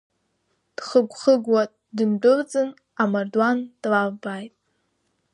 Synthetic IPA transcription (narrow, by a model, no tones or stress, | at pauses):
d̥χəɡʷχəɡwatʼ | dɨndʊrt͡sʼɨn | amardwand̥lavbajtʼ